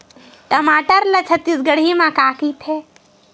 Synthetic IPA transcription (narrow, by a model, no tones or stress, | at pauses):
ʈəmaːʈəɾlət͡ʃʰət̪ːisɡəɽ̤imãkaːkit̪ʰe